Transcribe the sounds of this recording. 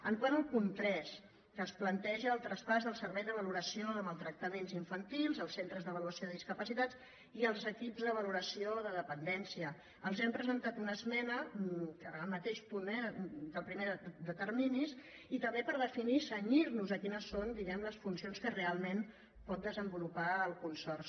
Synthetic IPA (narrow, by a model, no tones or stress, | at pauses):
əŋkwanəlˠkunt̪ɾɛs | kəːsplənt̪ɛʒəːlˠt̪ɾəspazðəlˠsəɾβɛjðəβəluɾəsioðəməlˠt̪ɾək̚t̪əmenziɱfənt̪ilˠzəlˠsent̪ɾəzðəβ̞əluəsioðəðiskəpəsit̪at͡s | iəlˠzəkipzðəβəluɾəsioðəðəpənd̪ɛnsiə | əlˠzɛmpɾəzənt̪at̪unəzmɛnəkəəlˠmət̪eʃpunɛd̪əlˠpɾimed̪ət̪ərminis | it̪əmbepəɾð̞əfinisəɲiɾnuzəkinəsːond̪iɣɛmləsfunsionskərealˠmen | pɔt̪̚d̪əzəmbulupaəlˠkunsɔrs